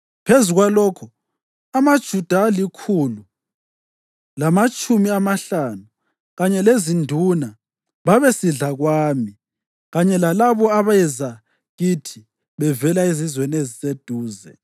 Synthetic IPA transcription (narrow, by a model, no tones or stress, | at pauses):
pʰezuɣwalɔːkʰɔ | amad̥ʒ̥ʱud̥ʱalikʰulu | lamat͡ʃʼumiamaɬanu | ɣaɲɛlezindʱuna | βaβesiɮaɣwaːmi | ɣaɲɛlalaβɔaβaɛza | ɣitʰi | βɛvɛlaizizwenezised̥ʱuːzɛ̰